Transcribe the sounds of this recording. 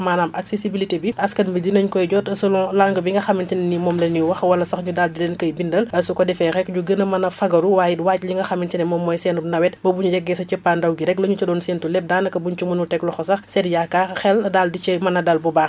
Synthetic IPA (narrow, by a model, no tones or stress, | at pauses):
maːnaːmʔɐksesibilitebiɐskɐnmbidinɐɲkɔjɟɔːtɐsɐlɔ̃ːlaŋɡəbiŋɡɐxɐmːintinɛnimɔːmlɛnːiwɐxwɐlɐsɐxɲudaldilɛnkɐjbindɐlɐsukɔdɛfɛxɛkɲuɡənɐmɐnɐfɐɡɐɾuwaːjitwaːcliŋɡɐxɐmːintɛnɛmɔːmːɔjsɛnunɐwɛt̚mbɐbuɲujɛɡːɛsɐcəpːandɐwɡiɾɛklɐɲut͡ʃɐdɔːnsɛːntulɛp̚daːnɐkɐbuɲt͡ʃumunutɛklɔxɔsɐxsɛdjakːaxɛldaldit͡ʃɛmɐnɐdɐlbubaːx